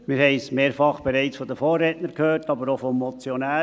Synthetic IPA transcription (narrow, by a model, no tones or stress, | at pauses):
mɪɾhɛɪsmeːɾfɑχb̥ɛɾɛɪt͡sfɔd̪əfoːrːɛːtnəɾkʰhøːrtɑbəɾofɔmːɔt͡sjɔnæː